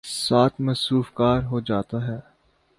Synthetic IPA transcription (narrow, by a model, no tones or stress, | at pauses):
saːt̪ʰmɐsɾuːfkaːɾɦod͡ʒaːt̪aɦɛː